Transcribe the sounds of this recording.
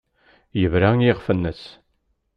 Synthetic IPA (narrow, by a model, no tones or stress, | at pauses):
jəvɾaŋjɪʁfənːəs